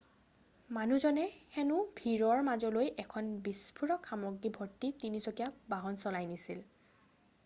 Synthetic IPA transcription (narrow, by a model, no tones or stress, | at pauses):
manuzɔnɛxɛnʊbʱiɹɔɹmazɔlojʔɛkʰɔnbispʰuɹɔkʰxamɔɡːibʱɔɹtːitinizɔkijabaɦɔnsɔlajnisil